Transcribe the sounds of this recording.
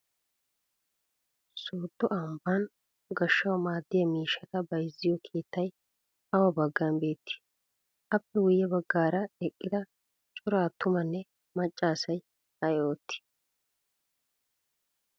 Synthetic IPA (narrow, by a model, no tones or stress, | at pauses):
soːd̪ːɔʔɐmban | ɡɐʃːɐwmaːd̪ːɪjɐmiːʃːɐt̪ɐbɐjzːɪjɔkʰe̞ːt̪ːɐj | ɐwɐbɐɡːɐnbe̞ːt̪ːɪ̥ | ʔɐpːɛwʊjːɛbɐɡːaːɾɐɛkʼːɪd̪ɐ | t͡ʃʼʊɾaːt̪ʊmɐnːɛ | mɐt͡ʃʼːaːsɐj | ɐjo̞ːt̪ːɪ̥